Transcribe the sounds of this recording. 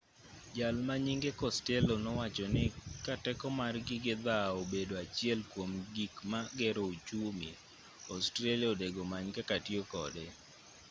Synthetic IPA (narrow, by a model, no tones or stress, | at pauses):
d͡ʒalmaɲiŋɡekɔstɛlonɔwat͡ʃɔnɪkatɛkɔmarɡɪɡɪd̪aobedoat͡ʃɪɛlkwomɡikmaɡɛɾoot͡ʃumḭ | ɔstɾaliaodeɡomaɲkakatjokɔ̰de